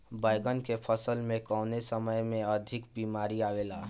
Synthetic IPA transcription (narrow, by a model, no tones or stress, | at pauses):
baɪɡənkepʰəsəlmẽkɔʊnesəməjmẽəd̪ʱɪkbiːmaːɾiaʋela